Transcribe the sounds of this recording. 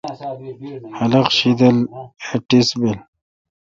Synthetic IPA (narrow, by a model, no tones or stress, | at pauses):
hɐlɐqɕid̪ɐleʈisbel